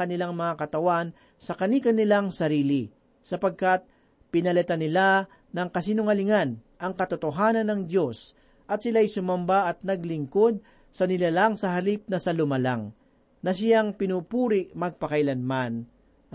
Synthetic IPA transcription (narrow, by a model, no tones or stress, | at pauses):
kɐnɪlaŋmɐŋakɐt̪ɐwan | sɐkɐnikɐnɪlaŋsɐɾiːli | sɐpɐɡ̚kat̪̚ | pɪnɐlɛt̪anɪla | nɐŋkɐs̬inʊŋɐlɪŋan | ʔɐŋkɐt̪ʊt̪oɦaːnɐnːɐŋd̪jo̞s | ʔɐt̪sɪlaːjsʊmɐmbaʔɐt̪̚nɐɡlɪŋko̞d̪̚ | sɐnɪlalaŋsɐɦɐlip̚nɐsɐlʊmɐla̰ŋ | nɐs̬ɪjaŋpɪnuːpuːɾɪʔmɐɡ̚pɐkɐjlɐnman